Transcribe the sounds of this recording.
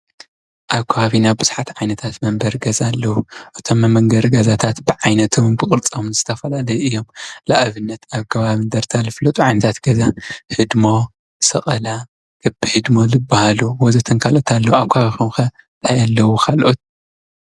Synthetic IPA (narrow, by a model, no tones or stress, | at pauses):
ʔaβkʰaβaβinaβbɨz̥ħat̪ʕajnɐt̪ʰat̪mɐmbɐɾɡɐzalːɐwuʔɨt̪ʰo̞mːɐmːɐŋɡɐɾɡɐzat̪ʰat̪bɨʕajnɐt̪ʰombɨkʼɨɾt͡sʼomzɨt̪ʰɐfɐlalɐjʔɨjːo̞mlaʔβɨnːɐt̪aβkʰɐβaβind̪ɐɾt̪ʰalɨflɐt̪ʼuʕajnɐt̪ʰat̪ɡ̥ɐzahɨd̪mo̞ | sɐχʼɐla | kʰɨbihɨd̪mo̞lɨbːahaluwɔzɐt̪ʰɨnkʰalʔo̞t̪ʰalːɐwaβkʰohaβixumxɐ | t̪ʰʼajalːɐwukʰalʔot̪̚